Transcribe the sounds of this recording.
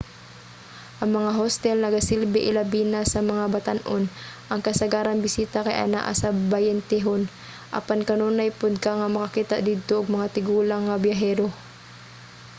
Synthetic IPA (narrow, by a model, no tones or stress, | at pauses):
ʔɐŋmɐŋaɦost̪ɛlnɐɡasɪlbɪʔɪlabiːnasɐmɐŋabɐt̪anʔonʔɐŋkɐsɐɡaːɾɐnbɪsiːt̪akɐjʔa̰na̰ʔa̰sabɐjɛnt̪ɛɦon | ʔɐ̰pankɐnonɐjpʊd̪̚kaŋɐmɐkɐkiːt̪a̰d̪iːd̪̚t̪oʔʊɡ̚mɐŋat̪ɪɡuːlaŋːɐbjaɦɛːɾo